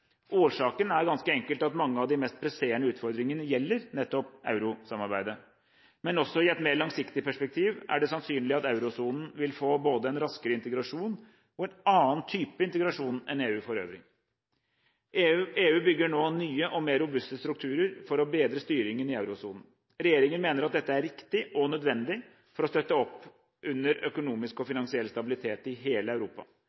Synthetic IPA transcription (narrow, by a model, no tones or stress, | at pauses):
ʔoːʂɑːkənæɾɡɑnskəɛŋkəlt̪ɑt̪mɑŋːəɑʋd̪ɪmɛst̪̚pʰɾɛseːɳəʉːt̪fɔɾd̪ɾɪŋənəjɛlːəɾnɛt̪ːɔpʔɑ̰ʉɾʊsɑmɑɾbæɪd̪ə | mɛnɔsːɔɪɛt̪meːɾɭɑŋsɪkt̪ɪpʰæʂpɛk̚t̪ʰiːʋʔæ̰ɖɛsɑnsyːnlɪɑt̪ɑʉɾʊsuːnn̩ʋɪlfoːboːd̪əɛnɾɑskəɾəɪnt̪əɡɾɑʂuːn | ɔɛnɑːənt̪ʰyːpəɪnt̪əɡɾɑʂuːnɛ̰neːʉːfɔɾø̰ːʋɾɪ̰ŋ | eːʉːbʏɡːəɳoːnyːəʔɔmeːɾːʊbʉst̪əst̪ɾʉkt̪ʰʉːɾəɾfɔɾɔbeːd̪ɾəst̪yːɾɪŋənɪɑʉɾʊsuːnn̩ | ɾɛjeːɾɪŋənmeːnəɾɑt̪̚d̪ɛt̪ːəæɾɾɪkt̪ɪʔɔnœd̪ʋɛnd̪ɪ | fɔɾɔst̪œt̪ːəɔpː | ʔʉnːəɾœkʊnuːmɪskɔfɪnɑnsɪɛlːst̪ɑbɪlɪt̪ʰeːt̪ɪɦeːləɑʉɾuːpɑ̰